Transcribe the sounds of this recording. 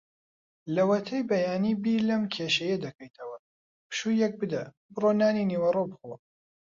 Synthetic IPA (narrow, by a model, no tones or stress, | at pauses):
lɐwɐt̪ʰɐjbɐjaːniːbilɐmkʰeʃɐjɐd̪ɐkʰɐjt̪ʰɐwɐ | pɨ̥ʃujɛk̚bɨd̪ɐ | bɨroːnaːniniwɐrobɨxo